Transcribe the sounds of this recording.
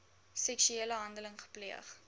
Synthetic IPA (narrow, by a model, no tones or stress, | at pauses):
sɛksyeələɦɐndələŋχə̥pliəχ